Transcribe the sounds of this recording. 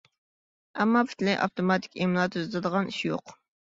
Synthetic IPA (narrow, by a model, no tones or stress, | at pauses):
ɛmːɑpʰi̥t̪lɪʔɑ̰ft̪omɑt̪ʰɪ̥kʲemlˠɑt̪ʰyzt̪ɨd̪əʁɑniʃjo̰q